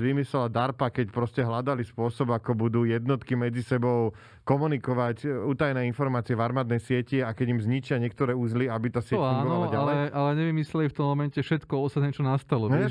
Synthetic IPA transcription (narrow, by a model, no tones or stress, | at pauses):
ʋimisɛlad̪aɾpakɛcpɾɔscɛɦlad̪alispʊɔsɔbakɔbud̪uːjɛd̪nɔt̪kimɛd͡zisɛbɔʊ | kɔmunikɔʋacuːt̪ajnɛːinfɔɾmaːt͡siɛvaɾmaːd̪̚nɛjsɪɛciakɛɟimzɲit͡ʃɪaɲɪɛk̚t̪ɔɾɛːuzliabit̪aːsɪɛauŋːɡɔnaɔlaɟaalɛɛʔalɛɲɛʋimislɛlift̪ɔmːɔmɛncɛfʃɛt̪kɔɔsaɲɛt͡ʃɔnast̪alɔ